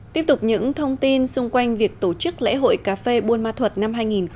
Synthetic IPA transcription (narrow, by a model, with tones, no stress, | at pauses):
t̪i˦˥əp̚t̪ʊ˨˩k͡p̚ɲɨ̰˧˥ŋt̪ʰə˧wŋ͡mt̪i˧nsʊ˧ŋ͡mkwa˧jŋ̟vi˨˩ək̚t̪o˧˩t͡ɕɨ˦˥k̚lɛ̰˧˥ɦo̰˧˨jkaː˧˩fe˧ɓu˧ənmaː˧t̪ʰwə˨˩t̚na˧mɦaː˧jŋi˨˩n